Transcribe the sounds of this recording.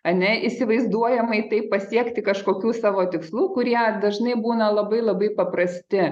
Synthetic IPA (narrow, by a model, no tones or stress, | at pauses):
ɐnʲɛisʲɪʋɐɪzd̪uɔjɛmɐɪt̪ɐɪppːɐsʲiɛkt̪ʲɪkɐʃkoːkʲuːsɑːʋoːt̪ʲɪkslˠuːkʊɾʲiɛd̪ɐʒnɐɪbuːnɐlˠɐbɐɪlˠɐbɐɪpɐpɾɐsʲt̪ʲɪ